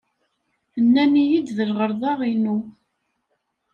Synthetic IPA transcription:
θənːænijid̪ðəlʁəɾˤðˤɑʁinu

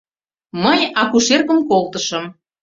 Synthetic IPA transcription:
məjɑkuʃerkəmkolt̪əʃəm

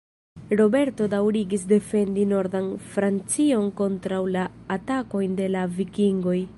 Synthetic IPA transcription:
ɾo̞be̞ɾto̞dawɾiɡis̬de̞fe̞ndino̞ɾdanfɾant͡sio̞nko̞ntɾawlaːtako̞jnde̞lavikiŋɡo̞j

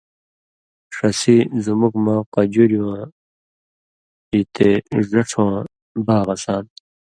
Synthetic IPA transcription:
ʂɐsizumukmãːqɐd͡ʑuɾiwãː | it̪ezɐʈ͡ʂʰwãː | baːɣɐsãːn

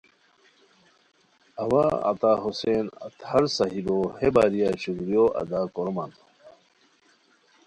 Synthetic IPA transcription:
ɐwaɐ̰t̪aːɦusenɐt̪hɐɾsɐɦibohebaːɾijaɕukɾijoʔɐ̰d̪aːkoɾman

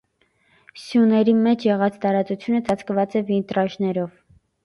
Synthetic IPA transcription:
sjunɛɾimɛt͡ʃʰjɛʁɑt͡st̪ɑɾɑt͡sut͡sʰjunət͡sɑt͡sʰkvɑt͡sɛvint̪ɾɑʃnɛɾɔv

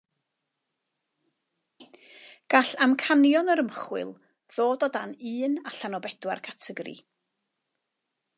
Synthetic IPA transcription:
ɡ̥aɬamkʰanjɔnəɾəmχwɪ̰lˠ | ð̥oːdɔdanɨːnaɬanɔbɛdwarkʰatʰəɡrḭ

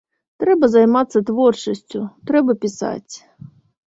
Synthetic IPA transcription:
t̪ɾɛbɐzajmat̪sːɐt̪vɔrt͡ʂɐsʲt͡sʲʊt̪ɾɛbɐpʲisa̰t͡sʲ

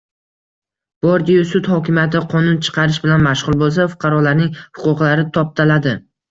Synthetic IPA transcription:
b̥ɒɾd̪ijʊsʊt̪hɒkʲɪmjat̪ʰɪqʰɒnʊnt͡ʃʰɨ̥qʰɑɾɪʃbɪlanmaʃʁʊlˠbolˠs̬afʊ̥qʰɑɾɒlaɾnɪŋhʊ̥qʰʊqlˠaɾɪt̪ʰɒp̚t̪ʰalad̪ɪ

